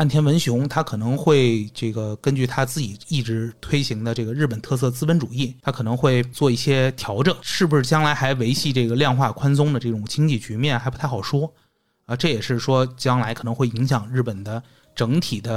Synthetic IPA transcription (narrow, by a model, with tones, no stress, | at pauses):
a˥˩nt̪ʰjɛ˥nwə˧˥nɕjʊ˧˥ŋt̪ʰa˥kʰɤ˨˩nɤ˧˥ŋxwe˥˧ɪʈ͡ʂɤ˥˩ɡə˩kə˥nt͡ɕy˥˩t̪ʰa˥t͡sɹ̩˥˩t͡ɕi˨˩i˥˩ʈ͡ʂɻ̩˧˥t̪ʰwe˥ɪɕi˧˥ŋd̪ə˧ʈ͡ʂɤ˥˩ɡə˩ɻ̩˥˩pə˨˩nt̪ʰɤ˥˧s̬ɤ˥˩t͡sɹ̩˥˩wə˧˥nʈ͡ʂu˨˩i˥˩t̪ʰa˥kʰɤ˨˩nɤ˧˥ŋxwe˥˧ɪt͡swɔ˥˧i˥˩ɕjɛ˥t̪ʰjɑ˧˥ʊʈ͡ʂɤ˨˩˦ŋʂɻ̩˥˩pu˧ʂɻ̩˥˩t͡ɕjɑ˥ŋla˧˥ɪxa˧˥ɪʋe˧˥ɪɕʰi˥˧ʈ͡ʂɤ˥˩ɡə˩ljɑ˥˧ŋxwa˥˩kʰwa˥ns̬ʊ˥ŋd̪ə˨˧ʈ͡ʂɤ˥˩ʈ͡ʂʊ˨˩ŋt͡ɕʰi˥ŋt͡ɕi˥˩t͡ɕy˧˥mjɛ˥˩nxa˧˥ɪpu˧˥t̪ʰɑ˨˩ʊʂwɔ˥ | ə˧ʈ͡ʂɤ˥˩jɛ˨˩ʂɻ̩˥˩ʂwɔ˥t͡ɕjɑ˥ŋla˧˥ɪkʰɤ˨˩nɤ˧˥ŋxwe˥˩ɪi˧˥ŋɕjɑ˨˩ŋɻ̩˥˩pə˨˩nd̪ə˦ | ʈ͡ʂɤ˧˥ŋt̪ʰi˨˩d̪ə˦